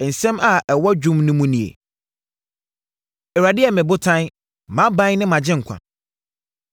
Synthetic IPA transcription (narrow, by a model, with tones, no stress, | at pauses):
n̩˨sɛ̃˦ma˨ʔɛ˨wɔ˦d͡ʑᶣũ˦mnʊ̃˦mũ˦nĩ˨ḛ˨ | ɛ˨ɾa˨dɪ˦ɛ˨mɪ̃˨bʊ˦tʰã˦n | mã˦bã˦n˦nɪ̃˦mã˨d͡ʑɪ̃˦ŋ̩˨kʷʰã̰˨n